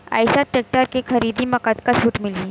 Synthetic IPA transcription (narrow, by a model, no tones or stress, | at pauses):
a̰jsaʈek̚ʈaɾkekʰɐɾiːd̪iməkat̪kat͡ʃʰuːʈmɪlĩː